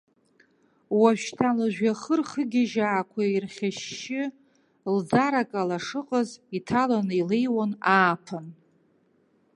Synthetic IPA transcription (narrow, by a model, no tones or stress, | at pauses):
waʃtʰalaʒᶣʷaχərχəɡʲɪʒaːkʷʰairχʲaʃːɪ | ld͡zaɾakʼalaʂɨqʼəzitʰalanɨilejwanaːpʰan